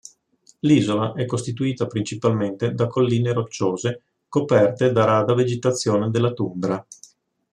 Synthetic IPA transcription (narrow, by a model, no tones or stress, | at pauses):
liːzolaʔɛkːost̪it̪uiːt̪apɾint͡ʃipalment̪ed̪akolːiːneɾot͡ʃːoːze | kopɛrt̪ed̪aɾaːd̪aved͡ʒet̪at̪sːjoːned̪elːat̪umbɾa